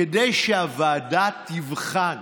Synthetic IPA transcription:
edejʃeavaːdat̪ivχan

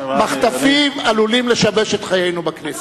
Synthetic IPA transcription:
maχt̪afimalulimleʃabeʃet̪χajejnubaknis

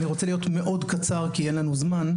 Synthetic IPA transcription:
niʁot͡se̞lijo̞tme̞ʔo̞dkat͡saʁkijenlanuzman

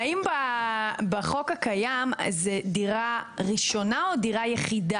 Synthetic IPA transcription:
imbabeχo̞kakajam̰zediʁaʁiʃo̞nao̞diʁajeχida

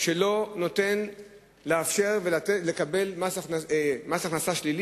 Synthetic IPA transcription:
ʃelo̞no̞te̞n | leafʃe̞ʁvelatelekabe̞lmasanamasaχnasaʃlili

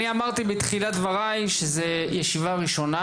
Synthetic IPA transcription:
niamaʁt̪ibit̪χilad̪vaʁajʃeze | jeʃivaʁiʃo̞na

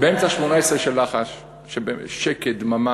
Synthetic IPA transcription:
beemt͡saʃmonaesʁeʃelːaχaʃ | ʃebeʃeked̪mama

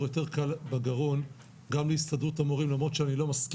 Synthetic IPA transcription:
jo̞te̞ʁkalbaɡaʁo̞n | ɡamlehistad̪ʁutamoʁimlamʁo̞tt͡ʃeanilo̞mask

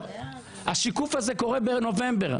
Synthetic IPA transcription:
aʃikufazeko̞ʁebeno̞vẽmbe̞ʁ

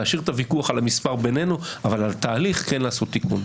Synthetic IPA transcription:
aʃiʁt̪avikuaχalamispaʁbe̞ne̞nuavalalt̪aːliχkenlaːso̞t̪ːikun

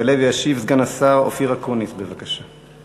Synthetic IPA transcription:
eleviaʃivzɡanasaʁo̰fiʁakonisbevakaʃa

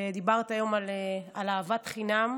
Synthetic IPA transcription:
d̪ibaʁt̪ajo̞malealaːvat̪χinam

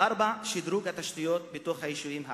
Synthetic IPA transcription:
aɾbaʃid̪ɾukhat̪aʃt̪ijo̞t̪bet̪o̞χhajiʃuimɦa

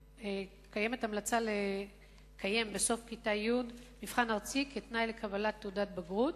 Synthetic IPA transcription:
e | kaje̞me̞tamlat͡sale | kʰaje̞mbeso̞fkitajudmifχanaʁt͡siketnajlekʰabalat̪ːeudat̚baɡʁut̚

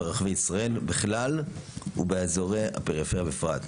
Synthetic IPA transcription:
ʁaχveisʁae̞lbiχlalṵbeazoʁea̰peʁifeʁjabefʁat

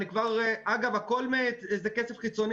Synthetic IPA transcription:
nikvaʁʔaɡavako̞lmet̪ezekese̞fχit͡so̞n

